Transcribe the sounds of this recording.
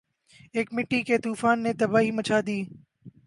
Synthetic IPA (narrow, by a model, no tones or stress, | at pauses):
eːkmɪʈːiket̪uːfaːnːet̪ɐbaːɦiːmət͡ʃʰaːd̪iː